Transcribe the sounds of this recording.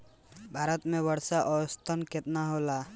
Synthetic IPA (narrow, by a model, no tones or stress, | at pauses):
bʱaːɾət̪mẽwəɽʃaʔɔːʊst̪ʰənkɪt̪naɦolaː